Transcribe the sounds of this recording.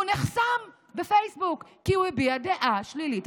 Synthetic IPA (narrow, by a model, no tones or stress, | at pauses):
uneχsam | befejsbukːiuebiad̪eʔaʃlilit